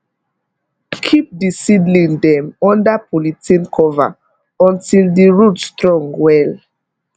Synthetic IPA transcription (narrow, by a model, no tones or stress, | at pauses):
kʰip̚disidlĩŋdɛ̃mɔ̃ndapʰolitĩnkʰɔva̰ | ɔ̃ntildiɹutstɹɔ̃ŋɡwɛl